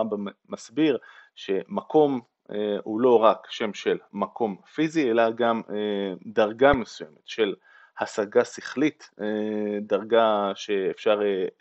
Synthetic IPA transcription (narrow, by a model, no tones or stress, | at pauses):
ambammasbiʁʃe̞mako̞m | ehulo̞ʁakʃe̞mʃelmako̞mfizielaɡamedaʁɡamesujemetʃe̞l | hasaɡasiχlit̪edaʁɡaʃe̞ːfʃaʁe